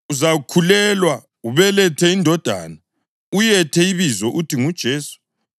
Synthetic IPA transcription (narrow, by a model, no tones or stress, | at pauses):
uzakʰulɛlwa | uβɛlɛtʰɛindʱɔd̥ʱa̰na | ujɛtʰɛiβizɔʔutʰiŋud̥ʒ̥ʱeːsu̥